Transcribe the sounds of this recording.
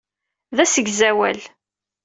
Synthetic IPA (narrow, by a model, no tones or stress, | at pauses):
ðæsəɡzæwæ̰l